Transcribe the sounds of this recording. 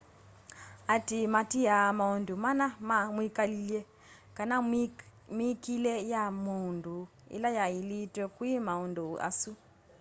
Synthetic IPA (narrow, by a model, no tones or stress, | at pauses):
atimatiamaundumanaamwikaliljɛ | kana | mikilɛjamundu | ḭlajailitwɛkwimaunduʔa̰su